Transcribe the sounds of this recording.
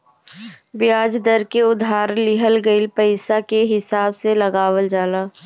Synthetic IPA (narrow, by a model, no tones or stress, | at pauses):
bɪjaːd͡ʒd̪əɾkeʊd̪ʱaːɾlɪɦəlɡəɪlpəɪsakeɦɪsaːbselɐɡaːwəld͡ʒaːlaː